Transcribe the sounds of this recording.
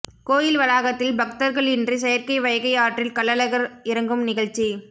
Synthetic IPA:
koːjɪlʋɐɾaːɣɐt̪ːɪlbɐk̚t̪ɐɾɣɐɭɪndrɯsɛjɐɾkɐɪʋɐjɐɣɐɪaːʈrɪlkɐɭːɐlɐɣɐɾɪɾɐŋɡɯmnɪɣɐɭt͡ʃːi

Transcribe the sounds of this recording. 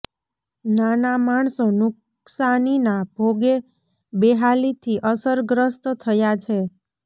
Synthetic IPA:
nanamaɳ̃sõnʊk | saninabʱoɡe | beɦalit̪ʰiʔəsəɾɡɾəst̪t̪ʰəjat͡ʃʰe

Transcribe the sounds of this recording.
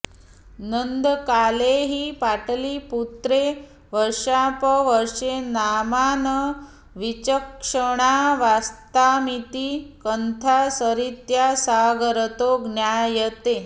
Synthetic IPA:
nənd̪kaleɦiːpaʈliːput̪ɾe | ʋəɾʂapəʋəɾʂenamanə | ʋit͡ɕəkʂəɽ̃aʋast̪amit̪iːkənt̪ʰasəɾit̪jasaɡəɾət̪oɡnjajət̪e

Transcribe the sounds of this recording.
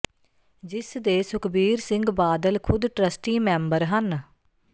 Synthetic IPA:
d͡ʒɪsd̪eːsʊkbiːɾsɪ̃ŋɡbaːd̪əlkʰʊd̪ʈɾəsʈiːmɛ̃ːmbəɾɦən

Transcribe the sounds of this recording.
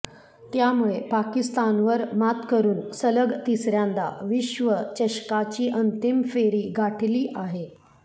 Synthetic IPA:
t̪jamuɭepakist̪anʋəɾmat̪kəɾuːnsələɡt̪isɾjãnd̪a̰ʋiɕʋət͡ɕəɕkat͡ɕiːʔənt̪imfeɾiːɡaʈʰliːʔaɦe

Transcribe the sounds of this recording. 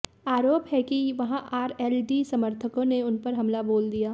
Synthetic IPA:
aːɾoːpɦɛkiʋɐɦãʔaːɾɛːlɖisɐməɾt̪ʰəkõneʊnpɐɾɦɐmlaboːld̪ijaː

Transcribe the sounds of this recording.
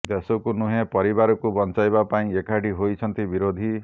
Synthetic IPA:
d̪esɔkunuɦẽpɔɾibaɾɔkubɔnt͡ʃajbapaĩekaɽiɦojt͡ʃʰʌnt̪ibiɾod̪ʱi

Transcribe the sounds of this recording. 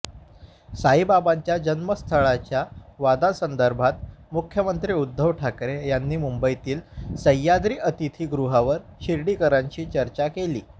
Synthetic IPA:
saɦibabãɲt͡ɕjad͡ʑənməst̪ʰəɭat͡ɕjaʋad̪asənd̪əɾbʱat̪̚mukʰjəmənt̪ɾiːud̪ʱːəʋʈʰakɾejanːiːmumbəjt̪iːlsəjad̪ɾiːʔət̪it̪ʰiːɡɾuɦaʋəɾɕiɾɽiːkəɾaɲt͡ɕiːt͡ɕəɾt͡ɕakeliː

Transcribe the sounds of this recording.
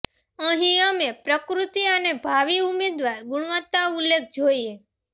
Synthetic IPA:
əɦĩəmepɾəkɾut̪iənebʱaʋiumed̪ʋaɾɡuɽ̃ʋət̪ːaulːek̚ʰd͡ʒoie

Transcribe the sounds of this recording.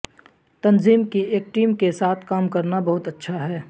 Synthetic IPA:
t̪ɐnziːmkieːk̚ʈiːmkesaːt̪ʰkaːmkɐɾnabɐɦʊt̪ɐtːʃʰaɦɛː

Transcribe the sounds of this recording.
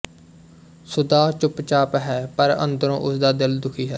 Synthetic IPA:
sʊd̪aːt͡ʃʊpt͡ʃaːpɦɛːpəɾə̰nd̪əɾõ̰ːʔʊsd̪aːd̪ɪld̪ʊkʰiːɦɛː

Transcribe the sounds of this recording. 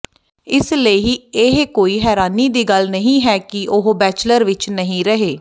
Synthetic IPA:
ɪsleiɦiːeɦkoːiːɦɛːɾaːniːd̪iːɡəlnəɦĩːɦɛːkɪʔʊɦbɛːt͡ʃləɾʋɪt͡ʃnəɦĩːɾəɦeː

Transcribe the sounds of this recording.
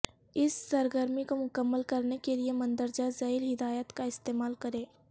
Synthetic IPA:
ɪsːɐɾɡəɾmikomʊkəmːəlkɐɾnekeliemɐ̃nd̪əɾd͡ʒazɐɪlɦɪd̪aːjət̪kaɪst̪eːmaːlkɐɾẽː

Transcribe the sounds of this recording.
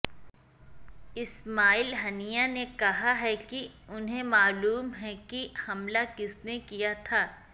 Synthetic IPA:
ɪsmaːɪlɦɐnijanekɐɦaɦɛkiʊnɦẽmaːluːmɦɛkihɐmlakɪsnekijat̪ʰaː

